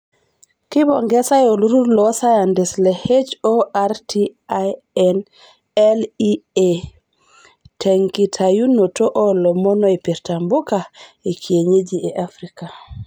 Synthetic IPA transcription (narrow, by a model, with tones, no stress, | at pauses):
ki˦bɔ˨ŋɡɛ˦sa˦jo˨lu˦ɾu˦ɾlɔ˦sa˦ja˨ndɪ˨slɛ˨he˦d͡ʒoa˦ɾtʰi˦a | ɛn | ɛ˦li˦e | tʰɛ˨ŋki˨tʰa˨ju˦no˨to˦ʔɔ˦lɔ˨mɔ˦nɔ˦e˨pi˨ɾta˨mbo˦ka˨e˨kʰi˨e˨ɲe˦d͡ʒie˨ʔa˦fɾi˦ka˨